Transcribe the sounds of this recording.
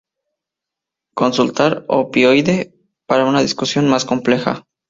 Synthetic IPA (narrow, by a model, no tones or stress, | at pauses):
ko̞nsult̪aɾo̰pjojðe̞ | paɾaunaðiskusjo̞nmasko̞mple̞xa̰